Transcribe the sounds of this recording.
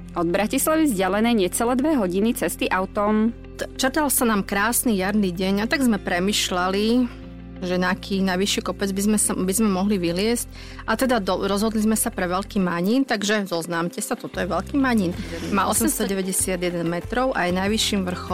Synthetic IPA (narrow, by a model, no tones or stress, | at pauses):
ɔd̪bɾacislaʋizɟalɛnɛjɲɛt͡sɛlɛːd̪ʋɛɦɔɟinit͡sɛst̪iʔaʊt̪ɔm | t͡ʃrt̪alsanaːmkɾaːsnijaɾniɟɛɲat̪aɡzmɛpɾɛmiːʃlali | ʒɛnakʰiːnajʋiʃiːkɔpɛd͡zbizmɛsabizmɛmɔɦliʋiɦlɪɛsc | ʔat̪ɛd̪ad̪ɔɾɔzɦɔd̪lizmɛsapɾɛʋɛlkiːmaɲiːnt̪aɡʒɛzɔznaːmcɛsat̪ɔt̪ɔjɛʋɛlkiːmaɲinmalɔsɛmst̪ɔɟɛʋɛɟɛsɪad̪jɛd̪ɛnmɛt̪ɾɔʊʔajnajʋiʃːiːmʋr̩xɔ